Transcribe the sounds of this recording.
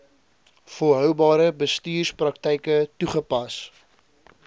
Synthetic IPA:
fəɦœwbɑːɾəbəstyːrsprɐk̚tɛjkətuχəpɐs

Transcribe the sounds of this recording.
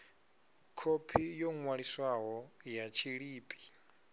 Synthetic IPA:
kʰopʰijoŋwaɺiswaɦɔjat͡ʃʰiɺiːpʼi̥

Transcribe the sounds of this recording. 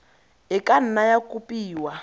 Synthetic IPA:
ɪkʼan̩najakupʼiːwa

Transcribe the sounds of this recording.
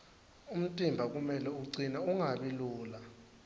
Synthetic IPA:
um̩tʼimbʱak̬umɛlɛuǀinauŋaɓiluːla

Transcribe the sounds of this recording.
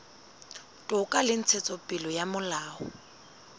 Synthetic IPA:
tʼʊkʼalɪn̩t͡sʰet͡sʼɔpʼɪlɔjamʊlaːɔ

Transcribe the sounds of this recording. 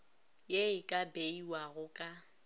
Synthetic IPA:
jeɪkʼabeiwaɣʊkʼa

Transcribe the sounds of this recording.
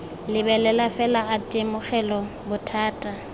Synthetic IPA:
lɪbɛlɛlafɛlaatʼemʊχɛlɔ | bʊtʰaːtʼa

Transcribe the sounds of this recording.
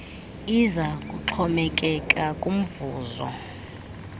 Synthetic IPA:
izakʼuǁʰɔmɛkʼɛkʼakʼum̩vuːzɔ̰

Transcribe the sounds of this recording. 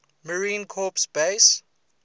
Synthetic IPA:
məɹĩːnkʰɔpsbes

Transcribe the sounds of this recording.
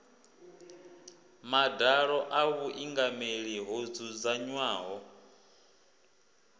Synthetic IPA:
madaɺɔʔaβuʔiŋɡameɺiɦod͡zud͡zaɲwaːɦɔ

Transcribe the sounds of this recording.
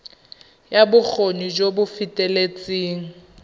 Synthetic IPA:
jabʊk͡xʰonid͡ʒobʊfitʼɛlet͡sʼiːŋ̩

